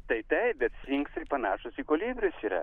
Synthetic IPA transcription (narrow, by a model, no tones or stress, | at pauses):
t̪ɐɪt̪ɐɪbʲɛt̪sʲiːŋksɪpɐnɑːʃʊsikoːlʲiːbʲɾʲʊsiːɾɐ̰